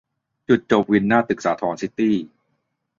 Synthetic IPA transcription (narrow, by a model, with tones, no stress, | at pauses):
t͡ɕu˨˩t̪̚t͡ɕo˨˩p̚wi˧nːaː˥˩t̪ɯ˨˩k̚saː˩˦t̪ʰɔː˩˦nsi˦˥t̪iː˥˩